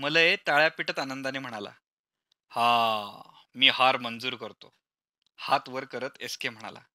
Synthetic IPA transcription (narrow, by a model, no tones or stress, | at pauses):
mələjet̪aɭjapiʈət̪anənd̪aniːm̤əɽ̃ala̰ | hã | miːhaɾmənd͡zuːɾkəɾt̪o | hat̪ʋəɾkəɾət̪eskem̤əɽ̃a̰la̰